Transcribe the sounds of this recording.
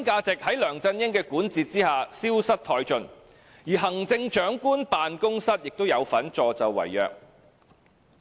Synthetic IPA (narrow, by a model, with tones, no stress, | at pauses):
nkaː˧t͡sɪ˨k̚hɐ˨˥jlœː˨˩ŋt͡sɐ˧njɪ˥ŋkɛː˧kuː˨˥nt͡siː˨t̚t͡siː˥haː˨siː˥wsɐ˥t̚t̪ʰɔː˧jt͡ʃɵ˧n | jiː˨˩ɦɐ˨˩ŋt͡sɪ˧ŋt͡ʃœː˨˥ŋkuː˥npaː˨nkʊ˥ŋsɐ˥t̚jɪ˨k̚t̪o˥wjɐ˨˧wfɐ˨˥nt͡ʃɔː˨˧t͡sɐ˨wwɐ̰˨˩jːœ̰ː˨k̚